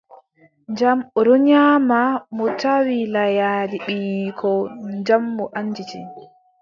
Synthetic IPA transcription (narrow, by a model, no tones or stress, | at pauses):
nd͡ʒamɔɾɔɲaːmamɔtawilajadiɓiːkʰɔɲd͡ʒamːɔʔaɲːd͡ʒit͡ʃḭ